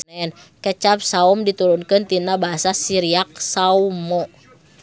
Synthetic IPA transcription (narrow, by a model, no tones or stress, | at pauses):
ɛn | kət͡ʃap̚saumdit̪uɾunkɨnt̪inabaɦasasiɾiak̚saumɔ